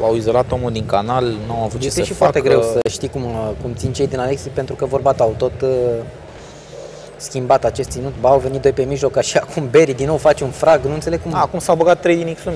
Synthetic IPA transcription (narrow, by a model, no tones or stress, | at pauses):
awizo̞lat̪omuld̪iŋkanalnuawavut̪jet͡ʃest̪esʃifoat̪eɡɾe̞wsəʃt̪ikumkumt̪sint͡ʃejd̪inaleksipe̞nt̪ɾukəvo̞rbat̪oawt̪o̞t̪ | skʲimbat̪at͡ʃe̞st̪sinut̪baːwve̞nit̪d̪o̞jpe̞miʒlo̞kaʃiakʰumbe̞ɾid̪inowfat͡ʃunfɾaɡnunt̪seleɡkumaːkumsawboɡat̪ːɾe̞jd̪inekslum